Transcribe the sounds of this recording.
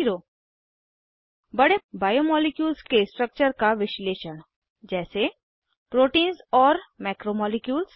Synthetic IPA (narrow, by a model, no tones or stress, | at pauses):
ɾoː | bɐɽebaːjomɔːlɪkjuːlskesʈɾək̚t͡ʃəɾkaʋɪʃleːʃəɳ | d͡ʒɛːse | pɾoːʈĩːnzɔːɾmɛːkɾomɔːlɪkjuːls